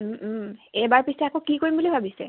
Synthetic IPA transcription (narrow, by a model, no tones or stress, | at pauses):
ɛbaɹpisɛakõkikoɹimbulibʱabisɛ̰